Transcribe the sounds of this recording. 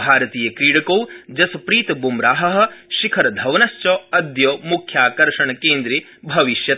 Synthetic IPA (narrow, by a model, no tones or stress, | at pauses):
bʱaːɾɐt̪iːjɐkɾiːɽɐkɐwd͡ʒɐsɐpɾiːt̪ɐbumɾaːɦɐɦɐ̆ʃikʰɐɾɐd̪ʱɐʋnɐʃt͡ʃoːɐd̪joːmukʰjaːkɐɾʂɐɳɐkeːnd̪ɾi | bʱɐʋiʃjɐt̪